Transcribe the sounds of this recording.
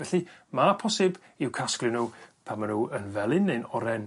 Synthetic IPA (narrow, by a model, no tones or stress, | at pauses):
vɛɬɨmapʰɔsɨb | ɪwkʰaskrɨnuːpʰamanuːənvɛlˠɨnːejnɔɾɛn